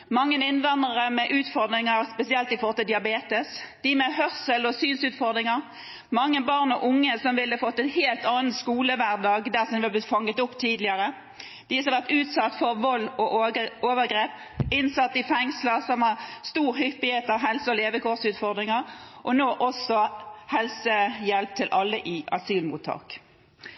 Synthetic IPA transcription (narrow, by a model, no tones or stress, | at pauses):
mɑŋːənɪnʋɛnːəʁəmɛʔʉːt̪fɔʁd̪ɾɪŋəʁspɛsɪɛlt̪ɪfɔʁt̪ːəd̪ɪɑbeːt̪əsd̪̥ɪmɛhœʁsəlɔsyːnsʉːt̪fɔʁd̪ɾɪŋəʁ | mɑŋːəbɑʁnɔʔʊŋːəsɔmʋɪlːəfɔt̪ːɛnheːlt̪ɑːn̩skuːləʋæʁd̪ɑːɡd̪æʁsɔmd̪ɪhɑb̪ɪt̪fɑŋːət̪ʊpːt̪ʰiːd̪lɪəʁə | d̪̥ɪsɔɑʋæʁt̪ʉːt̪sɑt̪ːfɔʁʋɔlːɔʔoːʋəɡʁeːp | ɪnsɑt̪ːɪfɛŋsləsɔmhɑʁst̪uːɾhʏpːɪheːt̪ɑʋɦɛlsəɔleːʋəkɔʁsʉːt̪fɔʁd̪ʁɪŋəʁʔɔnoːʔɔsɔhɛlsəjɛlp̚t̪ʰːɪlʔɑlːəʔɪɑ̰syːlmṵːt̪ʰːɑ̰ːk